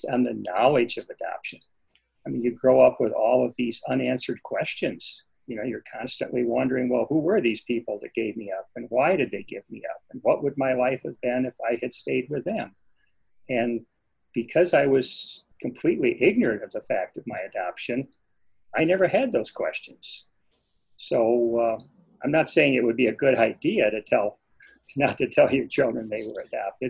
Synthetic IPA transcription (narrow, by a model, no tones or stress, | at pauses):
n̩ðɨnɑlˠɨd͡ʒʌvɨdɑ̰pʃɨ̃n | aɪmĩnjɨɡɹoʊʌpwəðɔlˠʌvðizʌ̃næ̃nsə˞d̚kʰw̥ɛst͡ʃɨ̃nz̥ | jɨnoʊjə˞kʰɑ̃nstɨ̰̃nʔliwʌ̃ndə˞ɪ̃ŋwɛlˠhuwə˞ðiz̥pʰipl̩ˠðɨt̚ɡ̥eɪvmiʌp̚ɨ̃nwaɪɾɨd̪̚ðeɪɡɪvmiʌ̰p̚nwʌʔ̚wəd̚maɪlaɪfhɨvbɪ̃nɨfaɪɨd̥steɪd̚wɨðɨ̃m | ɨ̃n | b̥ɨkʰʌzaɪwʌz̥kʰɨ̃m̩pʰl̥itˡliʔɪɡ̚nə˞ɨ̃ɾtʌvðəfæk̚tʌvmaɪɨdɑpʃɨ̃n | aɪnɛvə˞ɨd̪̚ðoʊz̥kʰw̥ɛ̰st͡ʃɨ̃nz̥ | soʊ | ãɪ̃mnətseɪɪ̃ŋɨt̚wəd̚biɨɡʊɾaɪdiɨɾɨtʰɛlˠ | nətʰɨtʰɛlˠjə˞t͡ʃʰɪlˠdɹɨ̃nðeɪwə˞ɨdɑ̰p̚tɨd̥̚